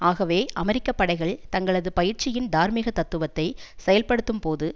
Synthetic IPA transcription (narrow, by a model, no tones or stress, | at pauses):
aːɣɐʋeːʔɐmɛɾɪkːɐpːɐɽɐɪɣɐɭt̪ɐŋɡɐɭɐðɯpɐjɪɾt͡ʃɪjɪnd̪aːɾmɪɣɐt̪ɐt̪ːɯʋɐt̪ːɐɪsɛjɐlpɐɽɯt̪ːɯmpoːðɯ